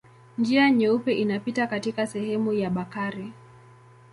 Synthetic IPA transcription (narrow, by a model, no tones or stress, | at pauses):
nd͡ʒiaɲɛupɛʔinapitakatikasɛhɛmujaɓakaɾi